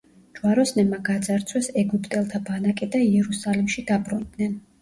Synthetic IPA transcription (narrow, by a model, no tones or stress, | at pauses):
d͡ʒwaɾɔsnɛmaɡad̪zaɾt̪sʰwɛsɛɡupʼt̪ʼɛlˠt̪ʰabanakʼɛd̪aiɛɾusalimʃid̪abɾund̪nɛn